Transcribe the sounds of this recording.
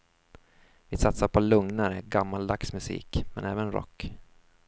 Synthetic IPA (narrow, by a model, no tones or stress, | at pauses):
vɪsat̪saɾpʰɔlɵŋnaɾəɡamːald̪aksmɵsḭːkmɛ̰nʔɛːvənɾɔ̰kː